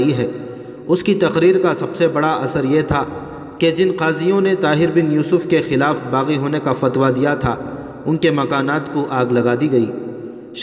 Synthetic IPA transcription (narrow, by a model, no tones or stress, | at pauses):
iɦɛː | ʊskit̪ɐqɾiːɾkasɐbsebɐɽaɐsəɾjet̪ʰaː | ked͡ʒɪnqaːzijõnet̪aːɦɪɾbɪnjuːsʊfkexɪlaːfbaːɣiɦoːnekafɐt̪wad̪ijat̪ʰa̰ | ʊnkemɐkaːnaːt̪koʔaːɡlɐɡaːd̪iɡɐḭː | ʃ